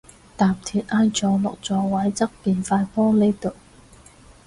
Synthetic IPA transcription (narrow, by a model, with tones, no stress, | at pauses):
t̪aː˨˩mt̪ʰiː˨˩t̚ʔaː˥nt͡ʃɔː˨˥lɔ̰˨k̚t͡sɔː˨˧wɐ˨˥jt͡sɐ˥k̚piː˨˧nfaː˧jpɔː˥le˥jt̪o˨˩w